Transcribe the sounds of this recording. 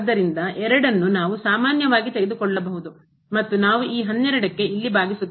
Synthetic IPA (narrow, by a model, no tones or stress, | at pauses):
d̪ːɐɾind̪ɐʔɛɾɐɽɐnːunaːʋusaːmaːnjɐʋaːɡit̪eɡed̪ukɔɭːɐbɐɦud̪u | mɐt̪ːunaːʋuʔiːɦɐnːɛɾɐɽɐkːe̞ilːibaːɡisut̪ː